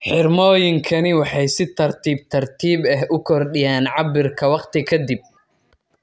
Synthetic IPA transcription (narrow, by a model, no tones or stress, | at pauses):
ħɪrmɔːjɪŋkʰɐnɪwɑħɑjsɪt̪ʰɐrt̪ʰiːb̚t̪ʰɐrt̪ʰiːbɛɦʊkʰɔrɖɪjaːnʕɑbɪrkʰɐwɑqt̪ʰɪkʰɐd̪ɪb̚